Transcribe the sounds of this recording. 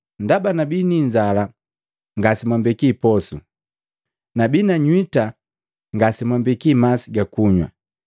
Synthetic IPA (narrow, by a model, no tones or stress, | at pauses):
ndabanabiniɲd͡ʒala | ŋɡasimwambɛkipɔsu | nabinaɲwita | ŋɡasimwambɛkimasiɡakuɲwa̰